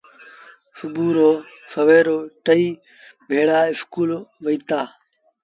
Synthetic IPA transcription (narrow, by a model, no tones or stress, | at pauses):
fʊbuːɾoː | fəʋeːɾoːʈəiː | bʱeːɽaːɪskuːlʋəiːt̪aː